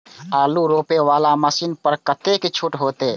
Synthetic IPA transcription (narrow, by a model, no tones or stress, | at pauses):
aluɾopeʋalaməsinpəɾkət̪eket͡ʃʰuʈɦot̪e